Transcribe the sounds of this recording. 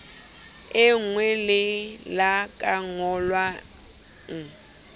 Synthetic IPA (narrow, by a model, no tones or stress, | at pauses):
ɪŋ̩ŋwɛlɪlakʼaŋɔlwa | ŋ̩